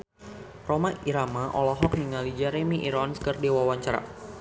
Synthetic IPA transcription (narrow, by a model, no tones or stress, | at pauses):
romaiɾamaʔɔlɔɦɔk̚niŋalid͡ʒɛɾemiʔiɾɔnskərdewawaɲt͡ʃaɾa̰